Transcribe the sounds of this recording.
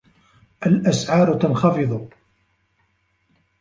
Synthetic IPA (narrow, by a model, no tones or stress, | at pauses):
ʔalʔasʕɑːɾt̪anxɑfɨðˤʊ